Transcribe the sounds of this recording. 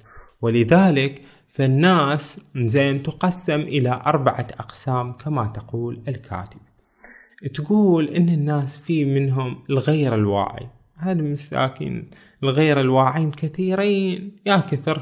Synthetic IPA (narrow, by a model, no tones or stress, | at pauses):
wɪlɪðaːlɪk | fanːaːszeːmt̪ɪqɑsːɪmʔɪlaʔɑɾˤbaʕaʔɑqsaːmkʰamat̪aquːlɪlkʰa̰ːt̪ɪb̥̚ | t̪ɡuːlʔɪnːɪnːaːsfiːmɪnɦʊmɪlɣeːɾɪlwa̰ːʕḭ | haːd̪mɪsːa̰ːkḭːn | ɪlɣeːɾɪlwaːʕiːnkaθiːɾiːnjaːkɪθɪɾ